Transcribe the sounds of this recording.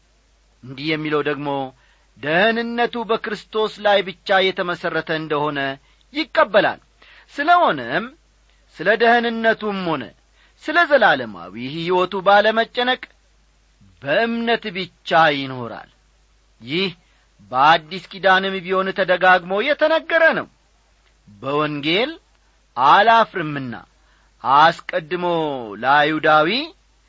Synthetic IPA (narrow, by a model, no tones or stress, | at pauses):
ʔɨnd̪ihjɛmːiləwd̪əɡmo̞ | d̪əhənɨnːət̪ubəkɨɾɨst̪ʰo̞slajbɨt͡ʃːajɛt̪ʰəməsərːət̪ʰəɨnd̪əho̞nə | jɪkʼːəbːəla̰l | sɨləho̞nəm | sɨləd̪əhnɨnːət̪umho̞nə̰ | sɨləzəlaləma̰wihiwɔt̪ubaləmət͡ʃʼːənəkʼ | bəʔɨmnət̪bɨt͡ʃːajɪno̞ɾa̰l | jɪh | bəad̪ːiskʼid̪anɨmbiho̞nt̪ʰəd̪əɡaɡmowjɛt̪ʰənəɡːəɾənə̰w | bəwɔŋɡe̞l | ʔalafɾɨmːɨnːa̰ | ʔaskʼəd̪ːɨmowljud̪awi